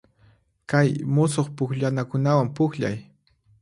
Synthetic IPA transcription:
kajmʊsoχpʊkʎanakʊnawampʊkʎa̰j

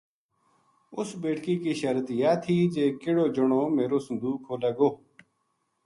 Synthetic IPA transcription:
ʊsbeːʈkiːkiːʃəɾt̪jaːt̪ʰiːd͡ʒeːkɪɽoːd͡ʒəɳõːmeːɾoːsənd̪uːkʰːoːleːɡoː

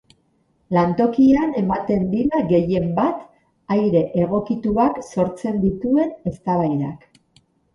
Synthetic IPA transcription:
lant̪o̞kiane̞mat̪e̞nd̪iɾaɣe̞je̞mbat̪ | ajɾe̞ʔeɣ̞o̞kit̪uakso̞ɾt͡se̞nd̪it̪ue̞ne̞st̪aβajɾa̰k

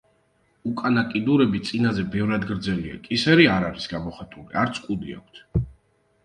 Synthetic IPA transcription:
ukʼanakʼid̪uɾɛbit̪sʼinazɛbɛvɾad̪ɡɾd̪zɛlia̰kʼisɛɾiaɾaɾisɡamɔχɛt̪ʼulḭaɾt̪sʰkʼud̪ia̰kʷʰt̪ʰ

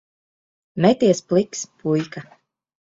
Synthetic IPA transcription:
mɛt̪iɛsplˠikspʰujka

